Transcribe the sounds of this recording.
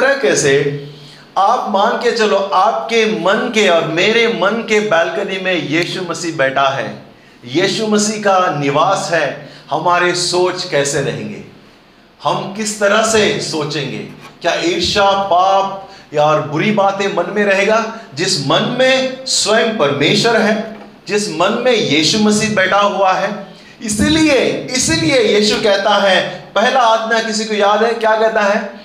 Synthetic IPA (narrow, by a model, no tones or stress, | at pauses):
ɾəkɛːse | aːpmãːnket͡ʃɐloʔaːp̚kemɐnkeɔːɾmeːɾemɐnkebɛːlkənimẽjiːʃumɐsiːɦbɛːʈʰaɦɛ̰ː | jiːʃumɐsiːɦkanɪʋaːsɦɛːhɐmaːɾesoːt͡ʃkɛːseɾɐɦḛ̃ːŋɡḛː | hɐmkɪst̪ɐɾəɦsesoːt͡ʃẽːŋɡḛːkjaːiːɾʃapaːp̚jɔːɾbʊɾibaːt̪ẽmɐnmẽɾɐɦeːɡaːd͡ʒɪsmɐnmẽswɛ̃mpɐɾmeːʃəɾɦɛː | d͡ʒɪsmɐnmẽjiːʃumɐsiːɦbɛːʈʰaɦʊaɦɛː | ɪsilieɪsiliejiːʃukɛɦt̪aɦɛpɛɦlaaːt̪mjakɪs̬ikojaːd̪ɦɛkjaːkɛɦt̪aɦɛː